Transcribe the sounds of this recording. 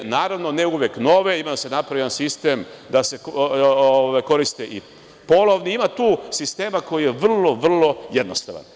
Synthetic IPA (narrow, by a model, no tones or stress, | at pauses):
naːɾaʋno̞neuʋjekno̞ʋe̞imad̪ase̞napɾaʋjʲʎansist̪e̞md̪ase̞ | oʋajko̞ɾist̪eʔi | po̞lˠoʋniimat̪uːsist̪e̞ːmako̞jijeʋr̩lo̞ʋr̩lo̞je̞d̪nost̪a̰ʋa̰n